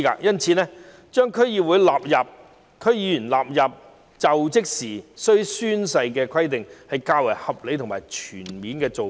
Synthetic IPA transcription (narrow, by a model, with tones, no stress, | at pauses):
ka̰ː˧jɐ˥nt͡sʰiː˨˧nɛː˥ | t͡ʃœː˥ŋkʰɵ˨˥jiː˨˧wu˨˧jlaː˨p̚jɐ˨p̚ | kʰɵ˥˧˥ɥjiː˨˧˥yː˨˩nlaː˨p̚jɐ˨p̚ | t͡sɐ˨wt͡sɪ˥k̚siː˨˩sɵ˥ɥsyː˥nsɐ˧jkɛː˧kʰɐ˥jt̪ɪ˨ŋhɐ˨jkaː˧wɐ˨˩jhɐ˨p̚le˨˥jt̪ʰʊ˨˩ŋmaː˨˩jt͡ʃʰyː˨˩nmiː˨˥nkɛː˧t͡so˨